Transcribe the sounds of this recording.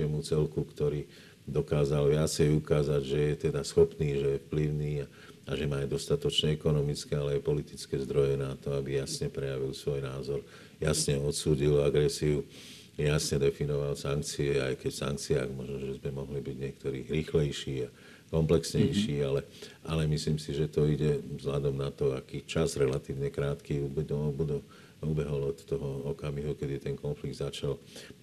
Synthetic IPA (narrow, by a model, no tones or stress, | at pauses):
ɛmut͡sɛlkukt̪ɔɾiː | d̪ɔkaːzalʋɪat͡sɛjukaːzaɟʒɛjɛt̪ɛd̪asxɔpniːʒɛjɛfpliʊniːa | aʒɛmaːd̪ɔst̪at̪ɔt͡ʃɲɛɛkɔnɔmit͡skɛalɛajpɔlit̪i̥t͡skɛːzd̪ɾɔjɛnat̪ɔabijasɲɛpɾɛjaʋilsʋɔjnaːzɔɾ | jasɲɛɔt̪suːɟilaɡɾɛsiu | jasɲɛd̪ɛfinɔʋalsaŋkt͡siɛa̰jkɛcsa̰ŋk̚t͡siaɡmɔʒnɔʒɛzmɛmɔɦlibiɟɲɪɛk̚t̪ɔɾḭːɾiːxlɛjʃiːa | kɔmplɛksɲɛjʃiːalɛʔalɛmisliːmsiʒɛt̪ɔiɟɛzlʎad̪ɔmnat̪ɔakiːt͡ʃazɾɛlat̪iːʋɲɛkɾaːt̪kiubɛɔbud̪ɛ | ubɛɦɔlɔt̪ːɔɦɔɔkamiɦukɛd̪it̪ɛnkɔnfliɡ̚d̪zat͡ʃal